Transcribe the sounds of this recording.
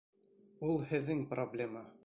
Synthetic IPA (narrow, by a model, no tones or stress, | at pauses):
ulˠhɘ̆ðːɘŋproblʲemə